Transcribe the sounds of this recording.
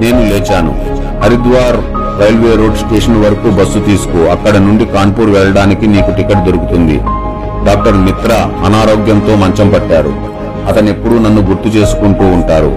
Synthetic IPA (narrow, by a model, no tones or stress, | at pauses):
ne̞ːnuleːt͡ʃaːnṵ | hɐɾid̪ʋaːɾ | ʋɐjlʋe̞ːɾo̞ːɖsʈeːʂɐnʋɐɾɐkubɐsːut̪iːsu̥kuɐkːɐɽɐnuɳɖikaːɳpuːɾʋɛɭɐɽaːnikiniːkuʈikːɐʈd̪o̞ɾukut̪und̪ḭ | ɖaːk̚ʈɐɾmit̪ɾɐɐnaːɾoːɡjɐnt̪o̞ːmɐɲt͡ʃɐmpɐʈːaːɾṵ | ɐt̪ɐne̞pːuɽunɐnːuɡuɾt̪ːut͡ʃe̞ːsu̥kuɳʈuːɳʈaːɾṵ